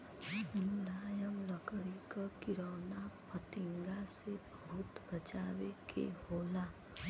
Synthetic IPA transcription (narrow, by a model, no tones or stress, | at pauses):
ɪnlaːjəmləkɽikakɪɾəːnapət̪ɪŋɡasebəɦʊt̪bət͡ʃaːwekʰḛɦoːla